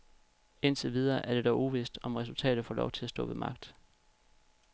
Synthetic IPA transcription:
e̝n̰t͡sʰeʋið̞ˠɐːʔæɐɾ̥e̝d̥ɒʊʔuʋisd̥ɒ̽mʁɛsult͡sʰɛ̰ːɾ̥ð̩ˠfɒ̰̽ːlɒʊt͡sʰe̝læsd̥ɔ̰̽ːʋe̝mɑ̈ɡ̥̚d̥

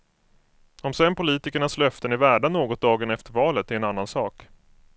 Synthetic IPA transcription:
ɔmsɛnpʊliːt̪ɪkəɳaslœft̪ənæɾvæːɖaɳoːɡɔt̪̚d̪ɑːɡənɛft̪əɾvɑːlət̪æɾɛnanːansɑːk

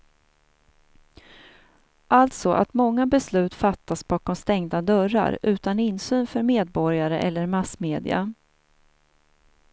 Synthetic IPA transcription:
ʔalt̪sɔʔa̰t̪mɔŋːabɛslʉ̟ːt̪fat̪ːasbɑːkɔmst̪ɛŋd̪ad̪œɾa̰ɾʉ̟ːt̪anɪnsyːnfœɾmeːd̪̚bɔɾjaɾəʔɛlːəɾmasmeːd̪ɪ̰a̰

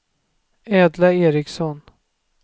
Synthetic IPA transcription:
ɛːd̪laeːɾɪksɔn

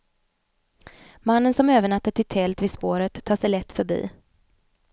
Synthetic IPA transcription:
manːənsɔmøːvəɳat̪ːəʈ̪ʰɪlt̪ʰɛlt̪vɪspoːɾət̪ʰːɑːʂɛjlɛt̪ːfœɾbḭː

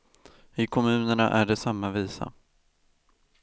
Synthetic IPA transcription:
ɪkʰɔmʉ̟ːnəɳa̰ʔæɖɛsamːaviːsa̰

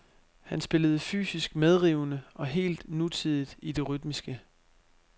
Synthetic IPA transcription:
hænsb̥e̝ləð̞̩ˠfy̰ːsisɡ̥með̞ˠʁiʊnəɒ̽ɦe̝̰ːld̥nut͡sʰið̞ˠid̥id̥e̝ʁyd̥misɡ̥ə

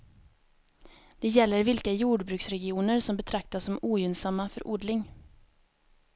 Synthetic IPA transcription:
d̪̥ɛjɛlːəɾvɪlkajuːɖbɾʉ̟ksɾɛɡɪuːnəɾsɔmbɛt̪ʰɾak̚t̪asːɔmuːjʏnsamːafœ̰ɾʔuːɖlɪŋ

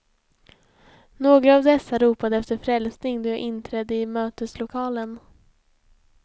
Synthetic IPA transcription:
noːɡɾəaːvd̪ɛsːaɾuːpad̪əɛft̪əɾfɾɛlsnɪŋd̪eʔɪnt̪ʰɾɛːd̪əɪmøːt̪əslʊkʰɑːlən

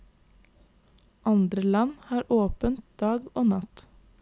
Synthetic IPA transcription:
ʔɑnd̪ɾəlɑnhɑːɾʔoːpənt̪̚d̪̥ɑːɡoːnɑt̪

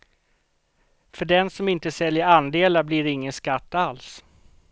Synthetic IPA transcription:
fœɖɛnsɔmɪnt̪əsɛljəɾand̪eːlablɪɾɪŋːənskat̪ːals

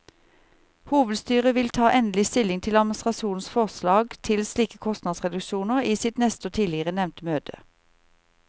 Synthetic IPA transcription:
huːʋəd̪st̪yːʁəʋɪlt̪ʰɑːʔɛnlɪst̪ɪlɪŋt̪ʰɪlɑd̪̚mn̩əst̪ʁɑʃuːnsfɔʁslɑːɡt̪ʰɪlsliːkəkʰɔst̪nɑd̪sʁɛd̪ʉʃuːnəʁiːsɪt̪nɛst̪əoːt̪ʰiːlɪəʁənɛʋnt̪møːt̪ʰə̰

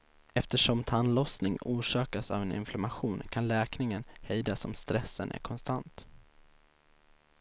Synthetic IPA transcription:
ɛft̪əʂɔmt̪ʰanlɔsnɪŋuːʂɑːkasa̰vɛnɪ̰nflamaɧuːnkʰanlɛːknɪŋənhɛjd̪asɔmst̪ɾɛsːə̰nʔæ̰ɾkʰɔnst̪ant̪

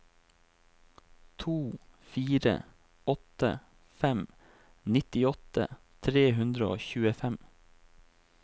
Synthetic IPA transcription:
t̪ʰuːfiːɾə̰ | ɔt̪ə̰ | fɛm | nɪt̪ɪɔt̪ə̰ | t̪ʰɾeːɦʉnd̪ɾəo̰ːçʉːəfɛm

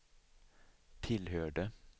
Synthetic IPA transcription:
t̪ʰɪlhøːɖə

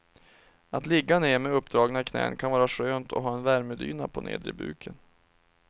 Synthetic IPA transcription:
at̪lɪɡːaneːmɛɵpːd̪ɾɑːɡnaɪkʰnɛ̰ːə̰nkʰanvɑːɾaʂøːnt̪ʰɔɦɑːɛnvæɾməd̪y̰ːnapʰɔnḛːd̪ɾɪbʉ̟̰ːkʰən

